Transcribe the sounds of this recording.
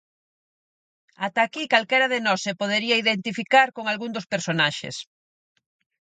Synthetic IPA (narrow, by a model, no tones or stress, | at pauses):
at̪akikalkɛɾaðenɔsːepoð̞eɾiɐiðent̪ifikaɾkoŋalɣund̪ospeɾsonaʃḛs